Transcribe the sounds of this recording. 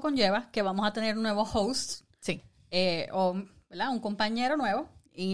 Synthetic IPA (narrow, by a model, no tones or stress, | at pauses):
ko̞ɲd͡ʒe̞βake̞βamo̞sat̪e̞ne̞ɾunːwe̞βo̞howst̪ | si | eobeld̪auŋko̞mpaɲe̞ɾo̞nwe̞βo̞ | i